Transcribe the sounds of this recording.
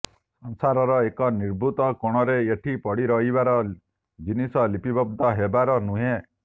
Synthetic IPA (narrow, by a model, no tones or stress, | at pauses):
sɔŋsaɾɔɾɔekɔniɾbut̪ɔkoɽ̃ɔɾeeʈʰipɔɽiɾɔɦibaɾɔ | d͡ʒinisɔlipibɔb̚d̪ɔɦebaɾɔnũɦe